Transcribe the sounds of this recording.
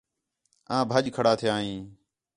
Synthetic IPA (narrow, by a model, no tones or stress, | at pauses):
ãːbʱəʄkʰəɽaːt̪ʰɪjaːɦĩː